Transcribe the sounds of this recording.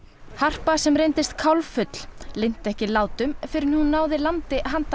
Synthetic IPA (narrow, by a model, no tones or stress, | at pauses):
har̥pasɛmɾejnt̪ɪst̪kʰawlfʏt̪l̥lejn̥t̪ɛhcɪlaːwt̪ʏmfɪɾɪɾhunːaːwðɪlant̪ɪɦant̪a